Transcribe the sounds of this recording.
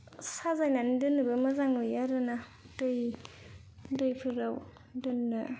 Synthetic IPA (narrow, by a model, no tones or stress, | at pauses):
sazajnandɯnɯbɯmazaŋnojaɾɯnadɯj | dɯjpʰɯɾaw | dɯnːɯ